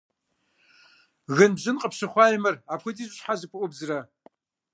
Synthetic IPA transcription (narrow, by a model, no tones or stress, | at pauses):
ɣɨnbʒɨnqʼəpʰʃɨχʷajmɨrapʰxʷɨtʼiʒʷʼɕʷħazɨpʷʰʊʔʷʊbzra